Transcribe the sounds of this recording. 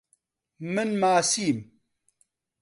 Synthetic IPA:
mənmasiːm

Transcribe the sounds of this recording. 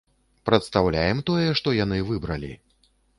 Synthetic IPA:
pɾɐt̪st̪awlʲajɛmt̪ɔjɛʂt̪ɔjan̪ɨvɨbɾɐlʲḭ

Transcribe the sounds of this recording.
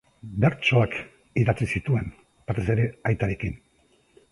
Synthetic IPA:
be̞ɾt͡ʃo̞ak | iðat͡sisit̪ue̞n | pat̪ese̞ɾe̞ajt̪aɾe̞kin

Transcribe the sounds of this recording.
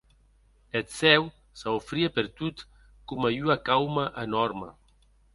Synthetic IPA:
et̪sɛw | saofɾiapeɾt̪ut̪ | kumajuakawmaʔənɔɾmə̰

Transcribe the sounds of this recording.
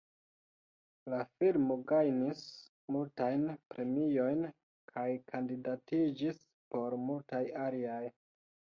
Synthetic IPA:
lafilmoɡajnis | multajnpɾʔe̞mijo̞jn | kʰajkʰandidatid͡ʒis | po̞ɾmultajaliaj

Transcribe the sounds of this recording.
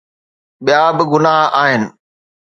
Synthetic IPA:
ɓijaːbɪɡʊnaɦaːɦɪnɪ̆

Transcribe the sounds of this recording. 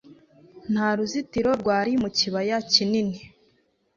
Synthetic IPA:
n̥haɾuzitiɾo̞ɾɡwaːɾimuciβajacinini

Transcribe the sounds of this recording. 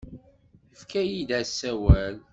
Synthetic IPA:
əfkæjid̪æsːæwæl

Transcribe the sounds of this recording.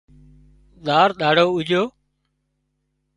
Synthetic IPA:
ɗ̪aːɾɗ̪aːɽoːʊd͡ʒʱoː

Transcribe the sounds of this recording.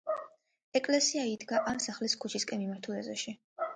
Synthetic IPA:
ɛkʼlɛsiaid̪ɡaʔamsaχliskʰut͡ʃʰiskʼɛmimaɾt̪ʰulɛzɛʃi

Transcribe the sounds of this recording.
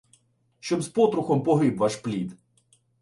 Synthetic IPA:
ʃt͡ʃɔbzpɔt̪ɾʊxɔmpɔɦɪbʋaʃplʲid̪

